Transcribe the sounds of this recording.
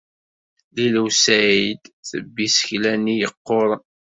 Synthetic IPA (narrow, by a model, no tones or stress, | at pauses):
liləwsæid̪θəbːisə̥çlænːijəqːoɾˤ